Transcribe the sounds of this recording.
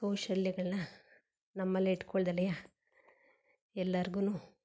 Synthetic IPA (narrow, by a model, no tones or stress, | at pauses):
t̪oːʃɐljɐɡɐɭɐnɐ | nɐmːɐlːiiʈkoɭɐd̪ɐlɐja | ɛlːɐɾiɡunuː